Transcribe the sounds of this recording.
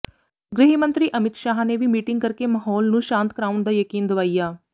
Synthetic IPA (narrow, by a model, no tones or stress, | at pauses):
ɡɾɪɦimə̃nt̪ɾiːʔəmɪt̪ʃaːɦneʋimiːʈɪ̃ŋɡ̚kɐɾkemaːɦɔːlnũʃãːnt̪̚kɾaːʊɳd̪aːjəkiːnd̪ɐʋaːijaː